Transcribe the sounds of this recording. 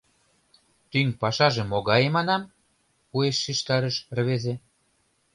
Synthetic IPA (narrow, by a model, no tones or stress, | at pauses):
t̪yŋpɑʃɑʒĕmːoɣɑjemɑnɑm | pueʃːiʃt̪ɑɾə̆ʃərβeze